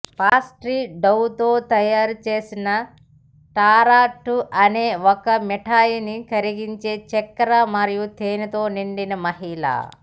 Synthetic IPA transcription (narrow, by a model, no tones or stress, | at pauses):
paːsʈɾiːɖɐwt̪o̞ːt̪ɐjaːɾut͡ʃe̞ːsinɐ | ʈaːɾaːʈːuʔɐne̞ːɔkɐmɛʈʰaːjinikɐɾiɡiɲt͡ʃe̞ːt͡ʃɛkːɐɾɐmɐɾijut̪eːnɐt̪o̞ːniɳɖinɐmɐɦila̰ː